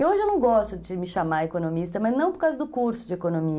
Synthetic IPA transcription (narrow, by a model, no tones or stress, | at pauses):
ewoʒɪewnɐ̃w̃ɡɔst̪ʊd͡ʒɪmɪʃamaekonomist̪ɐmɐznɐ̃w̃poɾkawzɐd̪ʊkuɾsʊd͡ʒɪekonõmiɐ